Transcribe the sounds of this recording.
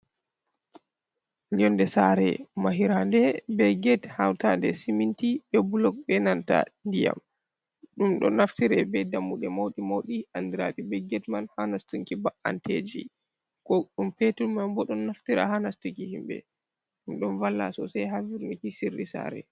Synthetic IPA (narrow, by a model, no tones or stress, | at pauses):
ɲɔndɛsaɾɛ̰maɦiɾandɛbɛɡɛthawtandɛsimintiɓɛbulɔk̚bɛnanta̰ndija̰m | ɗumɗɔ̰naftiɾɛbɛdamːuɗɛmawɗimawɗiandiɾa̰ɗibɛɡɛtmanhanastuŋkibaʔa̰nted͡ʒi | kɔɗumpetulmambɔɗɔnːaftiɾa̰hanastuŋkihimbɛ̰ | ɗumɗɔnvalːa̰sɔsajɦaviɾnikisirːisa̰ɾɛ̰